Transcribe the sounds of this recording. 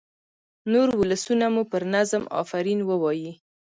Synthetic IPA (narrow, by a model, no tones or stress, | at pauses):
noɾwʊləsunamupəɾnazmɑ̰faɾinwəwɑji